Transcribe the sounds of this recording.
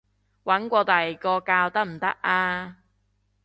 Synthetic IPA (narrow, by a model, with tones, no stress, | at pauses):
wɐ˨˥nkʷɔː˧t̪ɐ˨jkɔː˧kaː˧wt̪ɐ˥k̚m̩˨˩t̪ɐ˥k̚ʔaː˧